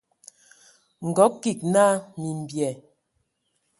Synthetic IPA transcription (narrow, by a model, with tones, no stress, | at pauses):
ŋ̩˨ɡɔ˨˦ki˨k̚na˦mi˨m˨bjɛ˨